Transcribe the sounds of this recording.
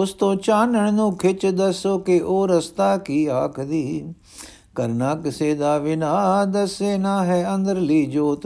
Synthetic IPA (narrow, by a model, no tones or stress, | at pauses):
ʊst̪õːt͡ʃaːnəɳ̃nũːkʰɪt͡ʃd̪əsoːkeʔoːɾəst̪aːkiːaːkʰd̪iː | kəɾnaːkseːd̪aːʋɪnaːd̪ɐseːnaːɦɛːə̃nd̪əɾliːd͡ʒoːt̪